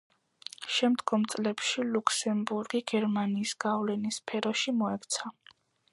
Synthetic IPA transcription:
ʃɛmd̪ɡɔmt̪sʼlɛpʃilukʰsɛmbuɾɡiɡ̥ɛɾmaniːsɡ̥avlɛnispʰɛɾɔʃimɔɛkt̪sʰa

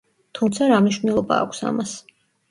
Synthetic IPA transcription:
t̪ʰumt̪sʰaɾamniʃvnɛlˠɔba̰ːkʷʰsa̰mas

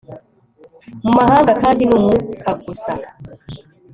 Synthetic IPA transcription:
m̩mahaŋɡakaːndinumukʰaɡusa

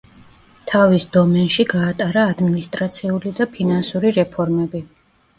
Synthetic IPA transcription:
t̪ʰavisd̪ɔmɛnʃiɡaːt̪ʼaɾaːd̪minist̪ʼɾat̪sʰiulid̪apʰinansuɾiɾɛpʰɔɾmɛbi

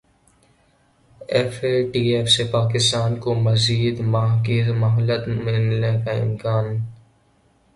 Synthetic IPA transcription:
ɛfeʈiːefsepaːk̬ɪst̪aːnkomɐziːd̪maɦkizmɐɦɔlət̪mɪlnekaɪ̰mkaːn

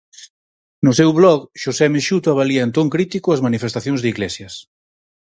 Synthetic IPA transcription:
nʊsɛwβlɔɣʃosɛmeʃut̪aβaliɐent̪oŋkɾit̪ikʊɐzmanifest̪aθjõŋzðiɣlesjɐs

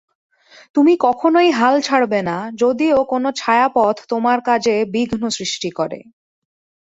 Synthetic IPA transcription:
t̪umikɔkʰonojɦalt͡ɕʰaɽbenad͡ʑod̪iokonot͡ɕʰaeapɔt̪ʰt̪omaɾkad͡ʑebiɡʱnosɾiʃʈikɔɾḛ

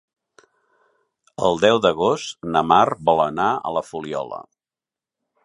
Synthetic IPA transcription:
əlˠd̪ɛwðəɣost̪nəmarbɔlˠənaə̰ləfuliɔ̰lə̰

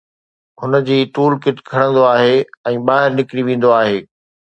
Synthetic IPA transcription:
ɦʊnə̆d͡ʑiːʈuːlkɪʈkʰɐɽə̃nd̪oaːɦeɛ̃ːɓaːɦɪɾnɪkɽiʋẽːn̆d̪oaːɦeː

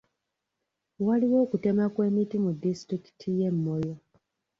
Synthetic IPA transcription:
waliwo̞ːkute̞makwe̞ːmitimudːistɾiki̥tʰije̞mːo̞jo

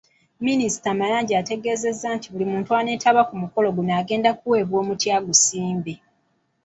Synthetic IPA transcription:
minisi̥tamalaːɲɟiate̞ɡe̞ːze̞zːantiβulimuːntuane̞ːtʰaβakumuko̞lo̞ɡunaːɡe̞ːndak̚uwe̞ːβwo̞ːmutjaːɡusiːmbe

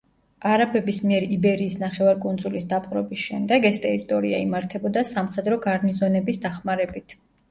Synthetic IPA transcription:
aɾapʰɛbismiɛɾibɛɾiːsnaχɛvaɾkʼund̪zulisd̪apʼqʼɾɔbisʃɛmd̪ɛɡɛst̪ʼɛɾit̪ʼɔɾiaimaɾt̪ʰɛbɔd̪asamχɛd̪ɾɔɡaɾnizɔnɛbisd̪aχmaɾɛbit̪ʰ

